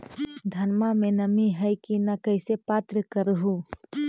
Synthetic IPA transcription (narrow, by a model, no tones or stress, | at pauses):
d̪ʱənmamẽnəmiɦəjkinakəɪsepaːt̪ɾəkəɾɦu